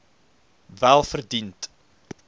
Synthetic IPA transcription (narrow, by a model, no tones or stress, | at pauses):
vælˠfərdint